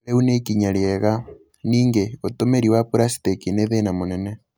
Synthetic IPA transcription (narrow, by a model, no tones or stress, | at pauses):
eunekiɲaɾjɛɣa | niːŋɡeotomeɾiwapuɾasi̥tekineðenamonɛnɛ